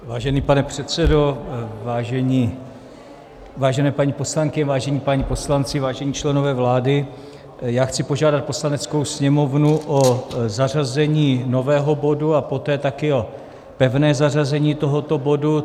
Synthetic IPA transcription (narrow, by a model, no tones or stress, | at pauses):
vaːʒɛniːpanɛpr̥ɛt̪t͡sɛdo̞vaːʒɛɲiː | vaːʒɛnɛːpaɲiposlaŋkɪɲɛvaːʒɛɲiːpaɲipo̞slant͡sɪvaːʒɛɲiːt͡ʃlɛno̞vɛːvlaːdɪ | jaːxt͡sɪpo̞ʒaːdat̪̚po̞slanɛt͡sko̞wsɲɛmo̞vnuʔozar̝azɛɲiːno̞vɛːɦo̞bo̞duapo̞t̪ɛːt̪akɪo̞ | pɛvnɛːzarazɛɲiːt̪o̞ɦo̞t̪o̞bo̞du